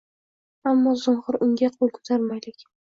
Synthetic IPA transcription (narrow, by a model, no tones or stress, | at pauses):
amːɒzʊnχʊɾʊŋɡʲaqʰolˠkʰʊ̥t̪ʰaɾmajlɪkʲ